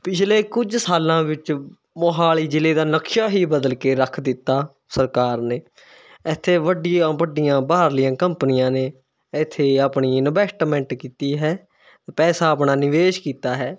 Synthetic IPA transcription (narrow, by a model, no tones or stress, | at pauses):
pɪt͡ʃʰleːkʊd͡ʒsaːlãːʋɪt͡ʃ | moːɦaːliːd͡ʒɪleːd̪aːnəkʃaːɦiːbəd̪əlkeːɾəkʰd̪ɪt̪ːaː | səɾkaːɾneː | ɪt̪ʰːeːʋəɖɪjãːʋəɖɪjãːbaːɾlɪjãːkəmpənɪjãːneː | ɪt̪ʰːeːaːpɳiːnəbɛːsʈmɛ̃ɳʈkiːt̪iːɦɛː | pɛːsaːəpɳaːnɪʋeːʃkiːt̪aːɦɛː